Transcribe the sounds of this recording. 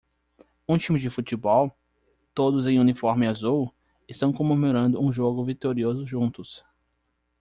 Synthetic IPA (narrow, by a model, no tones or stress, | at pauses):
ũt͡ʃĩmɪd͡ʒɪfut͡ʃibɔw | t̪od̪ʊzẽj̃ũnifɔɾmɪazuw | ɪst̪ɐ̃w̃kõmemoɾɐ̃nd̪ʊũʒoɡʊvit̪oɾiozʊʒũnt̪ʊs